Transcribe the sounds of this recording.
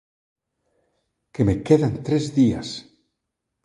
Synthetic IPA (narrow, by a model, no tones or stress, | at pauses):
kemekeðant̪ɾezðia̰s